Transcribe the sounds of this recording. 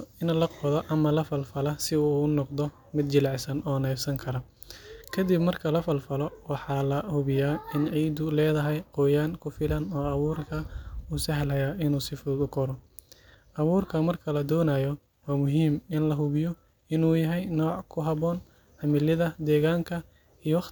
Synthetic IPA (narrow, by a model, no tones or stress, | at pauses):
ɪnɐlɐqɔðɐʔɐmɐlɐfɐlfɐlɐsɪuːnɔqd̪ɔ | mɪd̪̚t͡ʃɪlɑʕsɐnʔɔːnɛːfsɐŋkʰɐɾɐ | kʰɐd̪ɪbmɐrkʰɐlɐfɐlfɐlɔwɑħɑːlɐhʊβɪjaːɪnʕiːd̪ʊlɛːðɐɦɛjqɔːjaːŋkʰʊfɪlɐnɔːɑβuːrkʰɐusɐɦlɐjaːʔɪnuːsɪfuːd̪ʊkʰɔɾɔ | ʔɐβuːrkʰɐmɐrkʰɐlɐd̪ɔːnajɔ | wɑːmʊɦiːmɪnlɐɦʊβɪjɔ | ɪnuːjɐɦɛjnɔːʕkʰʊɦɐβɔːn | ħɑmɪlɪðɐd̪ɛːɣaːŋkʰɐ | ijɔwɑ